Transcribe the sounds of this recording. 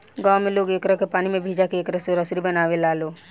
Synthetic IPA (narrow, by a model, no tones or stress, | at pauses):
ɡaːwmeloːɡeːkɾəkepaːnimẽbʱiːd͡ʒakeeːkɾəseɔɾəsɾibənaːʋelaːloː